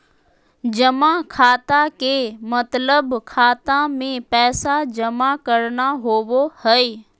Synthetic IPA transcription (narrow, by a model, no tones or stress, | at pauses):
d͡ʒɐmakʰaːt̪akemɐt̪ləbkʰaːt̪amẽpɛːsad͡ʒɐmakɐɾnaɦoːʋohɛeː